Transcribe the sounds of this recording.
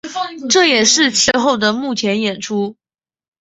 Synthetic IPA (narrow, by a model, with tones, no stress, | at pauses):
ʈ͡ʂɤ˥˩jɛ˨˩ʂɻ̩˥˧t͡ɕʰɛ˥˧xo˥˩ʊd̪ə˩mu˥˩t͡ɕʰjɛ˧˥njɛ˨˩nʈ͡ʂʰu˥